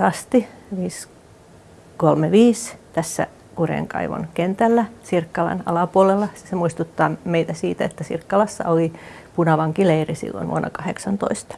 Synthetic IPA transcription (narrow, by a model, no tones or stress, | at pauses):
ɑst̪iʋiːs | kolmeʋiːst̪æsːæ̰ | kurḛŋkɑ̰iʋo̰nkent̪ælːæsirkːɑlɑ̰nɑ̰lɑpuolelːɑssemuist̪ut̪ːɑːmeit̪æsiːt̪æet̪ːæsḭrkːɑlɑsːɑ̰oli | punɑʋɑŋkileirisḭlːo̰nʋṵonːɑkɑheksɑnt̪o̰ist̪ɑ̥